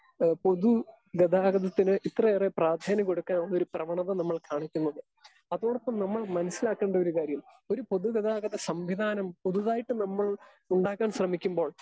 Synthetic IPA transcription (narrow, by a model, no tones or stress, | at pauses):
po̞ðu | ɡɐd̪ʱaːɡɐðɐt̪ːinɨʔit̪rɐerepraːd̪ʱaːnɐkːo̞ɽukːaːnːoɾuprɐʋɐɳɐðɐnɐmːɐɭkaːɳikʲːunːɐðɨ | ɐðoːɽɐpːɐmnɐmːɐɭmɐnɐsːilaːkːe̞ːɳɖɐo̞ɾukaːɾjɐm | o̞ɾupo̞ðuɡɐðaːɡɐðɐsɐmʋiðaːnɐmpoðuðaːjiʈːɨnɐmːɐɭ | uɳɖaːkːaːɳɕrɐmikʲːumbo̞ːɭ